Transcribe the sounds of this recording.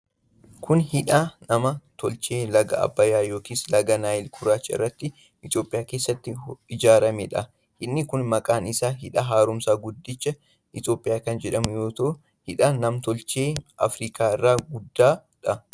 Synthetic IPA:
kʰʊnhɪᶑaːnɐmɐt̪ʰɔlt͡ʃeːlɐɡɐ̰ɐ̰bːɐjaːjo̞ːkiːslɐɡɐnaːɪlkʰʊɾaːt͡ʃːɐɪ̰rːɐt̪ːɪ | ʔɪt̪jo̞ːpʼɪjaːkeːsːɐt̪ːɪɪd͡ʒaːɾɐmeːᶑɐ | hɪnːɪkʊnmɐkʼaːnɪsaːɦɪᶑɐɦaːɾʊmsaːɡʊd̪ːɪt͡ʃːɐ | ʔɪt̪jo̞ːpʼːɪjaːkɐnd͡ʒɛᶑɐmjo̞ːt̪o | hɪᶑaːnɐmt̪ɔlt͡ʃe̞ːʔɐ̰fɾiːkʰʼaːɪrːaːɡʊd̪ːaː | ᶑɐ

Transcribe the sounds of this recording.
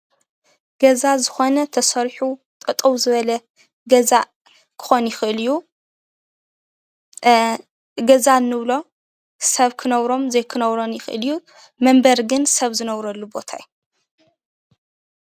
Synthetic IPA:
ɡ̥ɐzazɨxo̞nɐt̪ʰɐsɐɾħu | t̪ʼɐt̪ʼɐwzɨβɐlɐ | ɡɐza | kʰɨ̥xo̞njɪxɨʔɨlju | ɡɐzanːɨβlo̞ | sɐβkʰɨnɐβɾo̞mzejkʰɨnɐβɾo̞njɪxʔɨ̰lju | mɐmbɐɾɡɨnsɐβzɨnɐβɾɐlːubo̞t̪ʰa̰ju

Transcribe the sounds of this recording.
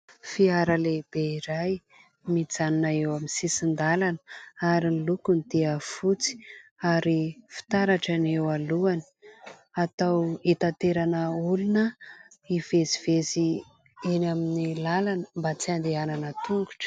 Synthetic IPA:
fiaɾəleb̥eiɾaj | mit͡sanunaewamisisind̪alanəaɾinlukunit̪eəfut͡si̥aɾifi̥t̪aɾaʈ͡ʂanewaluani̥ | at̪awit̪at̪eɾanəulunə | iv̥ezivezi | inaminilalanə̥mbat͡siand̪eananət̪uŋɡuʈ͡ʂə̥

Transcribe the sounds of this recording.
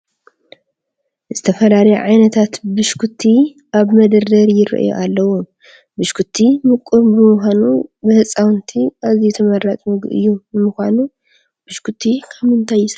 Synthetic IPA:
zɨt̪ʰɐfɐlalɐjo̰ʕajnɐt̪ʰat̪bɨʃkʰut̪ʰːi | ʔaβmɐd̪ɐɾd̪ɐɾjɪɾɐ̰ʔjo̰ʔalːɐwu | bɨʃkʰut̪ʰːimɨkʼuɾbɨmɨxʷanubɨhɨt͡sʼawnt̪ʰiʔazit̪ʰɐmɐɾːat͡sʼmɨɡʔɨ̰jːumɨxʷanu | b̥ɨʃkʰut̪ʰːikʰamɨnt̪ʰajːɪsɐ

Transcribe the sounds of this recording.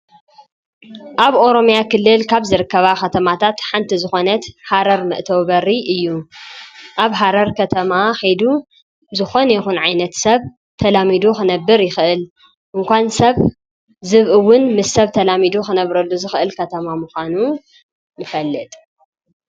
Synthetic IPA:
ʔaβʔo̞ɾo̞mjakʰɨlːɨlkʰaβzɨɾɨkːɐβaxɐt̪ʰɐmat̪ʰat̪ħant̪ʰizɨxo̞nɐt̪haɾɐɾmɨ̰ʔt̪ʰɐwβɐrːiʔɨjːu | ʔaβɦaɾɐɾkʰɐt̪ʰɐmaxejd̪u | zɨxo̞njɪxunʕajnɐt̪sɐβ | t̪ʰɐlamid̪uxɨnɐbːɨɾjɪxɨʔɨl | ʔɨŋkʷansɐβ | zɨβʔɨwːʊnmɨsːɐβt̪ʰɐlamid̪uxɨnɐβɾɐlːuzɨxʔɨlkʰɐt̪ʰɐmamuxʷanu | nɨfɐlːɨt̪ʼ

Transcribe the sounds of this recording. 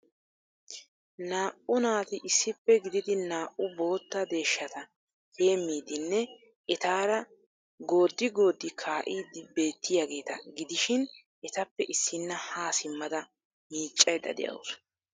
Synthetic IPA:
naːʔʊnaːt̪ɪʔɪsːɪpːɛɡɪd̪ɪd̪ɪnaːʔʊbo̞ːt̪ːɐd̪e̞ːʃːɐt̪ɐ | he̞ːmːiːd̪ɪnːɛ | ɛt̪aːɾɐ | ɡo̞ːd̪ːɪɡo̞ːd̪ːɪkʰaːʔiːd̪ɪbe̞ːt̪ːɪjaːɡe̞ːt̪ɐɡɪd̪ɪʃɪn | ʔɛt̪ɐpːɛʔɪsːɪnːɐhaːsɪmːɐd̪ɐ | miːt͡ʃʼːɐjd̪ɐ̰d̪ɛ̰jɐ̰ws

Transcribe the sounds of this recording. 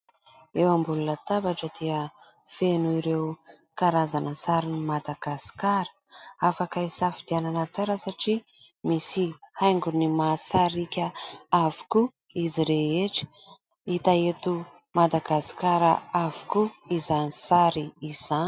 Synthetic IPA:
ewambulunət̪abaʈ͡ʂəd̪̥eə | fenuiɾew | kaɾazanəsaɾinimad̪aɡ̥asi̥kaɾə̥afakaisafid̪iananət͡saɾəsaʈ͡ʂi | misihajŋɡunimasaɾikʲəavu̥ku | iziɾeeʈ͡ʂə̥ | it̪aet̪u | mad̪aɡasi̥kaɾəavu̥kuizanisaɾiiz̥ani̥

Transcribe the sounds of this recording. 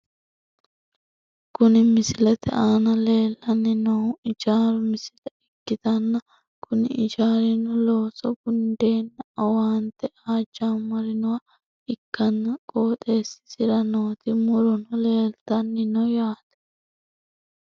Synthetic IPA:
kʊnɪmɪsɪlɛt̪ɛ̰ʔaːnɐle̞ːlːɐnːɪnɔʊɪd͡ʒaːɾʊmɪsɪlɛɪkːɪt̪ɐnːɐ | kʊnɪ̰ɪd͡ʒaːɾɪnɔlo̞ːsɔɡʊnd̪e̞ːnːɐɐwaːnt̪ɛaːd͡ʒːaːmɐɾɪnɔwa | ɪkːɐnːɐkʼoːt̪ʼe̞ːsːɪ̥sɪɾɐnoːt̪ɪmʊɾɔnɔle̞ːlt̪ɐnːɪnɔjaːt̪ɛ̥

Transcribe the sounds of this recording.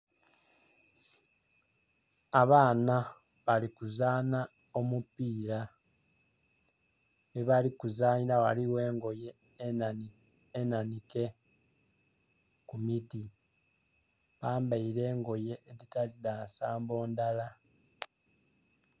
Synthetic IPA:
aβaːna | βalikuzaːna | o̞mupiːɾa | neβalikuzaːɲiɾawaliwe̞ːŋɡo̞je | nanike̞ | kumiti | βaːmbaiɾe̞ːŋɡo̞je̞ʔeðitalidaːsaːmbo̞ːndala

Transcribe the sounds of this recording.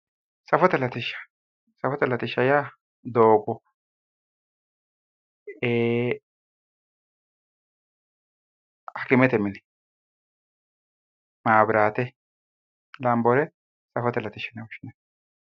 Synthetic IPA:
sɐfɔt̪ɛlɐt̪ɪʃːɐ̥ | sɐfɔt̪ɛlɐt̪ɪʃːɐja | d̪oːɡʊ | eː | hɐkɪmɛt̪ɛmɪn | maːbɪɾaːt̪ɛ | lɐmbɔɾɛ | sɐfɔt̪ɛlɐt̪ɪʃɐnɛwʊʃːɪnɛ

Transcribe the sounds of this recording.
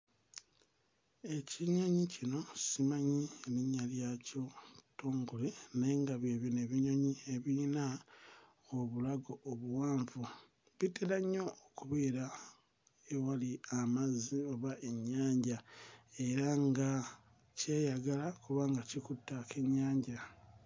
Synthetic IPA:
e̞cʰiɲaɲicino̞simaɲineɲːaljaco̞to̞ːŋɡoleneŋɡaβje̞ːβine̞βiɲoɲie̞βina | oβulaɡo̞ʔːβuwaːɱvu | βiteɾaɲːo̞okuβeːɾa | ewaliamazio̞βaʔe̞ɲːaːɲɟae̞ɾaŋɡa | ce̞ːjaɡalakuβaːŋɡacikutːake̞ɲːaːɲɟa

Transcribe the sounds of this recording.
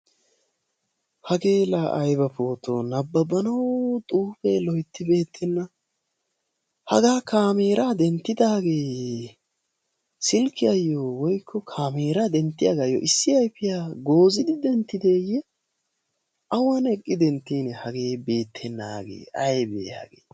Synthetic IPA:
hɐɡe̞ːlaʔɐjbɐpo̞ːt̪oːnɐbːɐbɐnɐwt̪ʼuːfelɔjt̪ːɪbe̞ːt̪ʰːɛnːɐ | hɐ̰ɡaːkaːmiːɾaːd̪ɛnt̪ːɪd̪aːɡe̞ː | sɪlkːɪɐjːowɔjkʰːɔkʰaːmeːɾad̪ɛnt̪ːɪjɐɡaːjːo̰ʔɪsːɪɐjpːɪjaːɡo̞ːzɪd̪ɪd̪ɛnt̪ːɪd̪eːjɛ | ʔɐwɐnɛkʼːɪd̪ɛnt̪ːiːnɛhɐɡe̞ːbe̞ːt̪ʰːɛnːa̰ːɡḛːɐjbḛːja̰ːɡḛː

